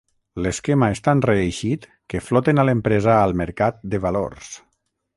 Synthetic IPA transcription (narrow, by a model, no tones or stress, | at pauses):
leskemaest̪anreːʃit̪ | keflɔt̪enalempɾezaːlˠmeɾkat̪̚d̪eβalo̰ɾs